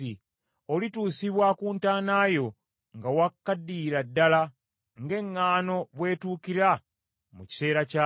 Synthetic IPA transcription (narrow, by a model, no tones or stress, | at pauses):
i | olituːsiβwakuːntaːnaːjo̞ | ŋɡawakːadːiːɾadːala | ŋɡe̞ŋːaːno̞βwe̞ːtuːkiɾa | muci̥se̞ːɾaca